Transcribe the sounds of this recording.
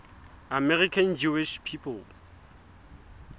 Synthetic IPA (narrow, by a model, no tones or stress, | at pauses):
amɛrikʰãnd͡ʒuiʃpʰipʰɔl